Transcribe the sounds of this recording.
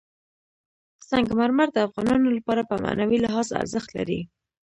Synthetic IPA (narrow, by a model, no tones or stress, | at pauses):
saŋɡmaɾmaɾd̪əafɣɑnɑnolapɑɾapəma̰nawilɪɦɑza̰ɾzəxt̪la̰ɾi